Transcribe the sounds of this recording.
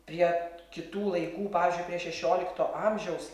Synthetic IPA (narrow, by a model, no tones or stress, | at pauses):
pʲɾʲiɛkʲɪt̪uːlˠɐɪkuːpɑːʋʲɪːzʲd͡ʒʲʊɪpʲɾʲiɛʃʲɛʃʲoːlʲɪkt̪oːʔɑmʲʒʲɛʊs